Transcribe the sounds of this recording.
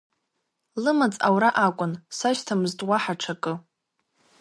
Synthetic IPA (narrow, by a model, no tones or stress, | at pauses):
lɨmat͡sʼa̰wɾaʔakʷʼʊnsaʃtʰamztʼwaħaʈ͡ʂʰakʼɨ